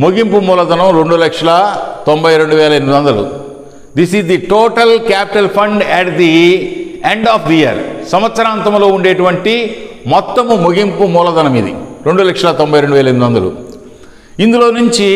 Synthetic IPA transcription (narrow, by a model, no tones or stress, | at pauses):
moɡimpumuːlɐd̪ɐnɐmɾe̞ɳɖulɐkʂɐlɐt̪ombɐjɾe̞ɳɖuʋɛːlɐemid̪ɐnd̪ɐlṵ | d̪isizd̪iʈoːʈɐlkaːpi̥ʈɐlpʰɐɳɖɛʈd̪i | eɳɖaːpd̪iiɐ̰ɾsɐmɐt̪sɐɾaːnt̪ɐmlo̞ːuɳɖeːʈuʋɐɳʈimɔt̪ːɐmumoɡimpumɔːlɐd̪ɐnɐmid̪ḭɾe̞ɳɖulɐkʂɐlɐt̪ombʱɐjɾe̞ɳɖuʋɛːlɐeɾmid̪ɐnd̪ɐlṵ | ind̪ulo̞ːnuɲt͡ʃi